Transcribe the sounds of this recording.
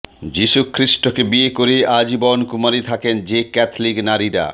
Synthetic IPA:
d͡ʑiʃukʰɾiʃʈokebiekoɾead͡ʑibɔnkumaɾit̪ʰakend͡ʑekɛt̪ʰliknaɾiɾa̰

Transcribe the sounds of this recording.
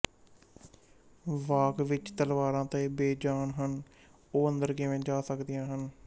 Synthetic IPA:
ʋaːkʋɪt͡ʃt̪əlʋaːɾãːt̪ẽːbeːd͡ʒaːnɦən | oːə̃nd̪əɾkɪʋẽːd͡ʒaːsəkd̪ɪjãːɦən

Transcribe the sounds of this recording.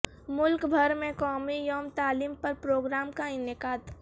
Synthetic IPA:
mʊlkbʱɐɾmẽkɔːmijoːmt̪aːliːmpɐɾpɾoːɡɾaːmkaɪnɪkaːd̪

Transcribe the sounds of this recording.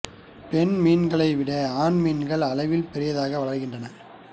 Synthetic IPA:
pɛnmiːnɡɐɭɐɪʋɪɽɐaːnmiːnɡɐɭɐlɐɪʋɪlpɛɾɪjɐðaːɣɐʋɐɭɐrɣɪndrɐnɐ

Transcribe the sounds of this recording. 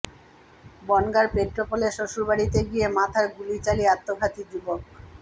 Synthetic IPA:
bɔnɡaɾpɾet̪ːɾopoleʃoʃuɾbaɽit̪eɡijemat̪ʰaɾɡulit͡ɕaliat̪ːobʱat̪id͡ʑubok̚

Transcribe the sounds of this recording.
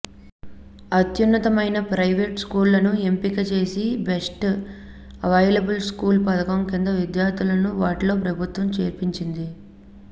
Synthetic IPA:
ɐt̪junːɐt̪ɐmɐjnɐpɾɐjʋeːʈskuːɾlɐnue̞mpikɐt͡ʃe̞ːsibesʈ | ɐʋɐjlɐbulskuːlpɐt̪ɐkɐmkind̪ɐʋid̪jaːɾd̪ulɐnuʋaːʈilo̞ːpɾɐbʱut̪ʋɐmt͡ʃeːɾpiɲt͡ʃind̪i

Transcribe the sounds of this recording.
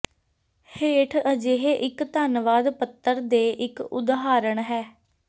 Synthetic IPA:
heːʈʰəd͡ʒeɦeʔɪkt̪aːnʋaːd̪pət̪ːəɾd̪eːʔɪkʊ̰d̪ɦaːɾəɳɦɛː

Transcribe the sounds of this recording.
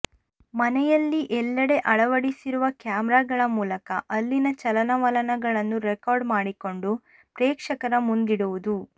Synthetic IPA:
mɐnɛjɐlːiʔɛlːɐɽe̞ʔɐɭɐʋɐɽisiɾuʋɐkjaːmɾaːɡɐɭɐmuːlɐkɐ̰ʔɐlːinɐt͡ʃɐlɐnɐʋɐlɐnɐɡɐɭɐnːuɾekaːɾɖmaːɽiko̞ɳɖu | pɾɛːkʂɐkɐɾɐmund̪iɽuʋud̪u

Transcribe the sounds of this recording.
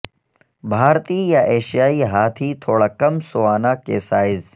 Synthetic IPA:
bʱaːɾt̪iːjaʔeːʃijaːiɦaːt̪ʰiːt̪ʰoːɽaːkɐmsʊʋaːnaːkeːsaːɪz

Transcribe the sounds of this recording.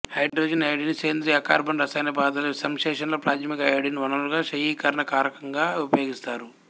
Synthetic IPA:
hɐjɖɾoːd͡ʒɐnɐjɽinit͡ʃeːnd̪ɾiɐkaːɾbɐɳɖɾɐsaːjnɐbaːd̪ɐlɐsɐmʃɛːʂɐnloːpɾaːd͡ʒɐmikɐɐɽiniʋɐnɐmluɡaːʃɐjiːkɐɾɳɐkaːɾɐkɐŋɡaːupɐjo̞ːɡist̪aːɾu

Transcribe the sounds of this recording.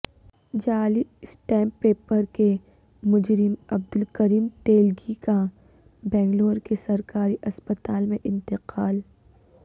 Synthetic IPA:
d͡ʒaːlisʈɛ̃ːmpːeːpəɾke | mʊd͡ʒɾɪmɐb̚d̪ʊlkɐɾiːmʈeːlɡika | bɛ̃ːŋɡloːɾkesɐɾkaːɾiʔɐspət̪aːlmẽʔɪ̃nt̪ɪqaːl

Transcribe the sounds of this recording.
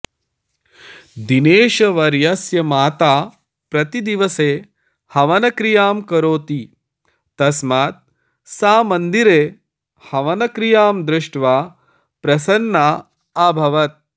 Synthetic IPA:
d̪ineːʃɐʋɐɾjɐsjɐmaːt̪aː | pɾɐt̪id̪iʋɐseː | hɐʋɐnɐkɾijaːmkɐɾoːt̪i | t̪ɐsmaːt̪̚ | saːmɐnd̪iɾeː | hɐʋɐnɐkɾijaːmd̪ɾɪʂʈʋaː | pɾɐsɐnːaː | aːbʱɐʋɐt̪̚

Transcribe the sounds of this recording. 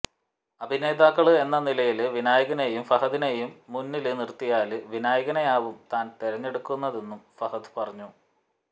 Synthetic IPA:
ɐbʱine̞ːd̪aːkːɐɭɨe̞nːɐnilɐjilʋinaːjɐɣɐnejumfɐɦɐd̪inejumːunːilɨnirt̪ːijaːlɨʋinaːjɐɣɐnɐjaːʋumt̪aːnt̪eɾɐɲːe̞ɽukːunːɐðe̞nːumfɐhɐðɨ̥pɐrɐɲːu

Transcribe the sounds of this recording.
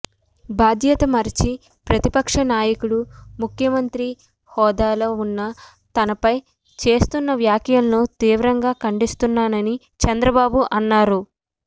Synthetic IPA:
baːd̪ʱjɐt̪ɐmɐɾit͡ʃi | pɾɐt̪ipɐkʂɐnaːjɐkuɽumukʰjɐmɐnt̪ɾi | hɔːd̪aːloːunːɐ | t̪ɐnɐpɐj | t͡ʃe̞ːst̪unːɐʋjaːkjɐnloːt̪iːʋɾɐŋɡaːkɐɳɖist̪unːaːnɐni | t͡ʃɛnd̪ɾɐbaːbuʔɐnːaːɾu

